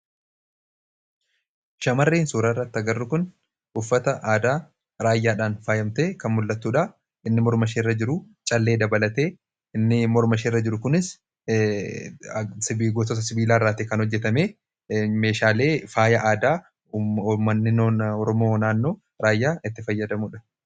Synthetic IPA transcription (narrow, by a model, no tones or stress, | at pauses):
ʃɐmɐrːiːnsuːɾaːɪrːɐt̪ːɐɡɐrːʊkʊn | ʔʊfːɐt̪ɐʔaːd̪aː | ɾaːjːaːᶑaːnfaːjɐmt̪eːkɐnmʊlːɐt̪ːuːᶑɐ | ɪnːɪmɔɾmɐʃeːrːɐd͡ʒɪɾʊ | t͡ʃʼɐlːeːd̪ɐbɐlɐt̪e̞ː | ɪnːɪmɔɾmɐʃeːrːɐd͡ʒɪɾʊkʊnɪs | sɪbiːɡoːt̪oːt̪ɐsɪbiːlaːrːaːt̪ɪkɐnhɔd͡ʒːɛt̪ɐmeː | me̞ːʃaːle̞ːfaːjɐʔaːd̪aː | mːɐnːɪnoːnɔɾɔmoːnaːnːo̞ː | ɾaːjːaːʔɪt̪ːɪfɐjːɐd̪ɐmʊᶑɐ̥